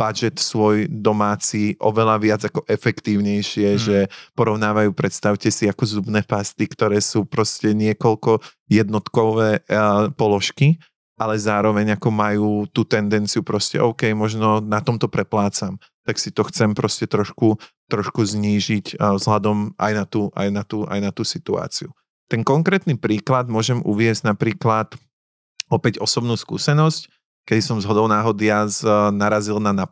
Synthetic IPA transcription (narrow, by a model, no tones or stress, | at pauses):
b̥ad͡ʒɛt̪sʋɔjd̪ɔmaːt͡siːʔɔ̰ʋɛlaʋɪad͡zakɔʔɛfɛkt̪iːʊɲɛjʃɪɛʒɛpɔɾɔʊnaːʋajuːpɾɛt̪st̪aʊcɛsiakɔzubnɛːpast̪ikt̪ɔɾɛːsuːpɾɔscɛɲɪɛkɔlkɔ | jɛd̪nɔt̪kɔʊʋɛːpɔlɔʃki | ʔalɛzaːɾɔʋɛɲakɔmajuːt̪uːt̪ɛnd̪ɛnt͡siupɾɔscɛ̰ʔɔʊkɛjmɔʒnɔnat̪ɔmt̪ɔpɾɛplaːt͡sam | t̪aksit̪ɔxt͡sɛmpɾɔscɛt̪ɾɔʃkut̪ɾɔʃkuzɲiːʒiczɦlad̪ɔmʔa̰jnat̪uːʔa̰jnat̪uːʔa̰jnat̪uːsit̪ua̰ːt͡siu | t̪ɛŋkɔŋkɾɛːt̪nipɾiːklad̪mʊɔʒɛmṵʋɪɛzɟnapɾiːklat̪ | ɔpɛɟɔsɔbnuːskṵːsɛnɔsc | kɛd̪isɔmzɦɔd̪ɔʊnaːɦɔd̪ɪaznaɾazilnana